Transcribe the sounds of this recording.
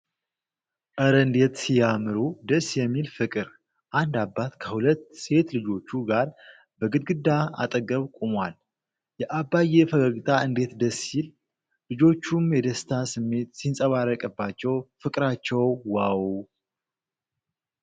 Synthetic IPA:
ʔəɾənd̪e̞t̪sijamɨɾud̪əsːjɛmːilfɨkʼɨɾ | ʔand̪abːat̪kʰəhulət̪ːse̞t̪lɨd͡ʒo̞t͡ʃːuɡaɾ | bəɡɨd̪̚ɡɨd̪ːaa̰t̪ʼəɡəβkʷʼumwal | jɛʔabːajefəɡəɡt̪ʼʰaɨnd̪e̞t̪d̪əsil | lɨd͡ʒo̞t͡ʃːumjɛd̪əst̪ʰasɨmːe̞t̪sinsʼəβarːəkʼɨbːat͡ʃːɛwfɨkʼɾat͡ʃːɛwwaw

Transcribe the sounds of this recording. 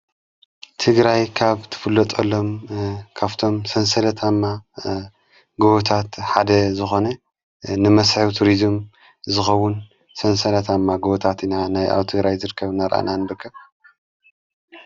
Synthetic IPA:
t̪ʰɨɡɾajkʰaβt̪ʰɨ̥fɨlːɐt̪ʼɐlːo̞mkʰaβt̪ʰo̞msɐnsɐlɐt̪ʰamːa | ɡoβot̪ʰat̪ħad̪ɐzɨxo̞nɐ | nɨmɐsħɨwt̪ʰuɾizɨm | zɨxɐwːʊn | sɐnsɐlɐt̪ʰamːaɡoβot̪ʰat̪inanajʔa̰wt̪ʰɨɡɾajzɨɾɨkʰːɐβnaɾʔa̰nanbɨkʰːɐβ

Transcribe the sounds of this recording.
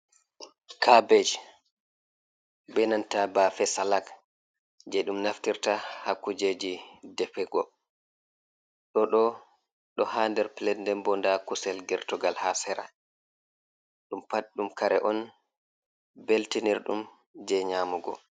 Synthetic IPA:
kʰabɛd͡ʒ | bɛnantabaːfɛsalak | d͡ʒɛɗumnaftiɾtahakːud͡ʒed͡ʒidɛpɛɡɔ | ɗɔɗɔ | ɗɔhandɛɾpilɛdndɛmbɔndakusɛlɡɛɾtɔɡalhasɛɾa̰ | ɗumpatɗumkaɾɛʔɔn | beltiniɾɗum | d͡ʒɛɲaːmuɡɔ̰

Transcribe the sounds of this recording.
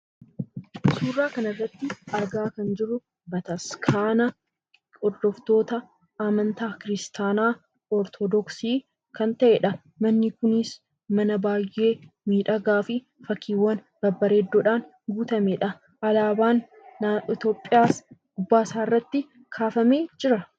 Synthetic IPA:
suːrːaːkɐnɐrːɐt̪ːɪɐɾɡaːkɐnd͡ʒɪrʊ | bɐt̪ɐskʰaːnɐ | ɔd̪ːɔft̪o̞ːt̪ɐ | aːmɐnt̪aːkɪɾɪst̪aːnaː | ɔɾt̪ʰɔd̪ɔksiː | kɐnt̪ɐʔɛᶑɐ | mɐnːɪkʊnɪs | mɐnɐbaːjʔːeːmiːᶑɐɡaːfɪ | fɐkʰːiːwːɐn | b̥ɐbːɐɾeːd̪ːoːᶑaːn | ɡuːt̪ɐmɛᶑɐ | ʔɐlaːbaːn | ɪt̪o̞ːpʼːɪjaːsɡʊbːaːsaːɪrːɐt̪ːɪ | kʰaːfɐmeːd͡ʒɪɾɐ

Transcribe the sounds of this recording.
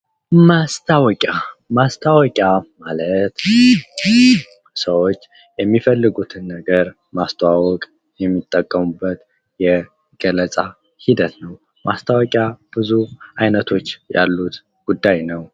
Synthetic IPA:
mast̪ʰawɔkʲʼamast̪ʰawɔkʼjamalət̪ | səwo̞t͡ʃː | jɛmːifəlːɨɡut̪ʰɨnːəɡəɾ | mast̪ʰəwawɔkʼ | jɛmːit̪ʼːəkʼːəmubːət̪ | jɛ | ɡ̥ələt͡sʼa | hid̪ət̪nəw | mʔa̰st̪ʰawɔkʼjab̥ɨzuʔajnət̪ʰo̞t͡ʃːja̰lːut̪ | ɡ̥ud̪ːajnəw

